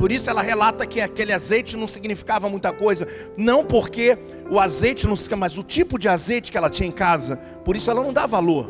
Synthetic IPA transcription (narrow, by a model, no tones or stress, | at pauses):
poɾisʊɛlɐɦelat̪ɐkɪakelɪazejt͡ʃɪnɐ̃w̃siɡnifi̥kavɐmũj̃t̪ɐkojzɐ | nɐ̃w̃poɾke | ʊazejt͡ʃɪnɐ̃w̃smɐzʊt͡ʃipʊd͡ʒɪazejt͡ʃɪ̥kɪɛlɐt͡ʃĩɲɐẽkazɐ | poɾisʊɛlɐnɐ̃w̃d̪avaloɾ